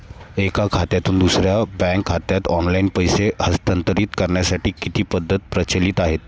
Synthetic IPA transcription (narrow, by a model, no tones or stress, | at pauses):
ekakʰat̪jat̪uːnd̪usɾjabɛ̃ŋkʰːat̪jat̪ɔnlainpəjsehəst̪ənt̪əɾiːt̪kəɾɳjasaʈiːkit̪iːpəd̪ʱːət̪̚pɾət͡ɕəliːt̪aɦet̪